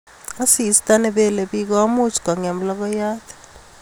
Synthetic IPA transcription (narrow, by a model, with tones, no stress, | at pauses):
a˦si˦i˨si̥tʼanɛɓɛ˦le˨ɓik̬ɔ˦wa˦mu˦t͡ʃʰka˨ŋe˨m̩˦lɔk̬ɔjaː˦tʰɛ̥